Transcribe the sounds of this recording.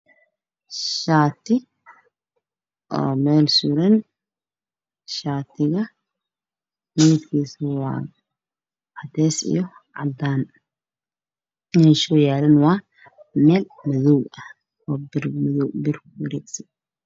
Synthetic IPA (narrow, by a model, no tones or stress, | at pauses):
ʃaːt̪ʰɪ | ʔɔ̰ːmɛːlsuɾɐn | ʃaːt̪ʰɪɣɐ | mit̪kʰiːswɑ̰ː | ɑt̪ʰɛːsḭjɔ | ʕɑ̰d̪aːn | nɛʃɔjaːlɐnwɑː | mɛːl | mɐðɔwɐ | ɔːbɪrmɐðɔwbɪrkʰwɐɾɛːɡsɐj